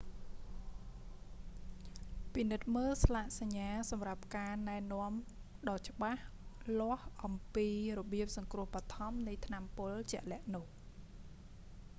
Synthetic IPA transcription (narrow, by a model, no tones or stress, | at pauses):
pinɨt̪̚məːlslaʔsaɲːaːsɑmrap̚kaːnaɛnŏəm | ɗɑːt͡ɕə̆ɓahlŏəhʔɑmpiːrɔɓiəp̚sɑŋkrʊ̆əhɓat̪ʰɑmnɨjt̪ʰnampʊlt͡ɕɛ̆əʔlɛ̆əʔnʊ̆əh